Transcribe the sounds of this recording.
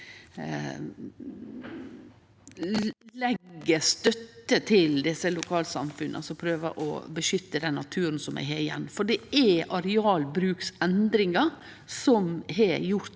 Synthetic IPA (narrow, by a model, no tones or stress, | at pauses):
lɛɡːəst̪œt̪ːət̪ʰɪld̪ɪsəlʊkʰɑːlsɑ̰mfʉnːʔə̰sɔpʰɾøːʋə̰ʔɔ̰bəʃʏt̪ːəd̪ɛnːɑt̪ʰʉːɾən̩sɔmæ̰ɦeɾɪjɛ̰nːfɔɖɛæʔɑɾɛɑːlbɾʉːksɛnd̪ɾɪŋə | sɔmɦɛjʊɾt̪